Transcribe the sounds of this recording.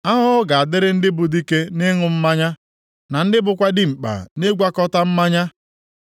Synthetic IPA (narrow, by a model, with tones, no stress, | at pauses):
a˦ɦʊ˦ɡa˨a˨dɪ˦ɾɪ˦n̩˦dɪ˦bʊ˨di˦ke˦nɪ˦ŋʊ˨m̩˦ma˦ɲa˦ | na˨n̩˦dɪ˦bʊ˨kʷa˦dɪ˦˨ŋ͡m̩˨k͡pa̰˨ne˦ɡʷa˦kɔ˦ta˦m̩˦ma˦ɲa˦